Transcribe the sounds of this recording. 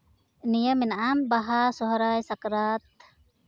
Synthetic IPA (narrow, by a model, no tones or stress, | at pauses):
nijəminʔanbaɦasɔɦɾajsakɾat̪̚